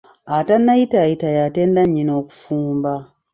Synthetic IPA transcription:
atanːaitaitajateːndaɲːinoku̥fuːmba

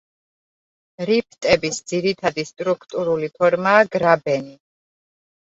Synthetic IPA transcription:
ɾip̚ʰt̪ʼɛbisd̪ziɾit̪ʰad̪ist̪ʼɾukʰt̪ʼuɾulipʰɔɾmaːɡɾabɛni

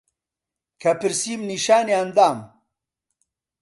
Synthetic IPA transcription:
kʰɐpiɾsiːmniʃaːneɐnd̪aːm

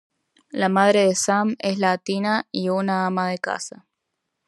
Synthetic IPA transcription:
lamaðɾeðesameslat̪inaiunaamaðeka̰sa

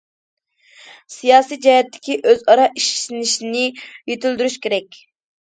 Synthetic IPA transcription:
sijɑːsijd͡ʒɑjɛt̪ʰːɪ̥kʲiʔøzɑɾɑʔiʃsnɪʃnɪjet̪yld̪yɾyʃkʲeɾɛkʲ

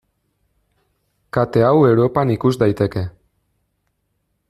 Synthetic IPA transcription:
kat̪e̞awe̞wɾo̞panikuzd̪ajt̪e̞ke̞

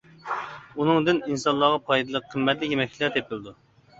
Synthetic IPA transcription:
unɨŋd̪ɪninsɑllˠːɑʁɑpʰɑjd̪ɨlˠəqʰːəmːɛt̪lɪkʲjemɛk̚ʲt͡ʃʰlæɾt̪ʰepʰɪlɨd̪u

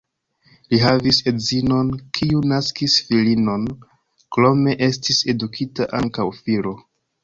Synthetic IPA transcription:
liɦavise̞zino̞nkʰiunaskisfilino̞n | kɾo̞me̞ʔe̞stise̞dukʰitaʔaŋkawfilo̞

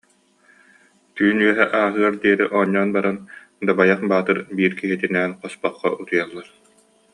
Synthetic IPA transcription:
t̪yːnyœɦɛʔaːɦɯɐɾd̪iɛɾiʔɔɲːɔːnbaɾan | d̪abajaχbaːt̪ɯɾbiːɾkiɦit̪inɛːnqɔspɔχːɔ̰ʔut̪ujalˠːaɾ

